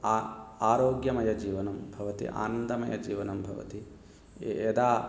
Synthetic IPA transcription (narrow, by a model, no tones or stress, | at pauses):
aaːɾoːɡjɐmɐjɐd͡ʒiːʋɐnɐmbʱɐʋɐt̪ḭʔa̰ːnɐnd̪ɐmɐ̰jɐ̰d͡ʒiːʋɐnɐmbʱɐʋɐ̰t̪i | ed̪aː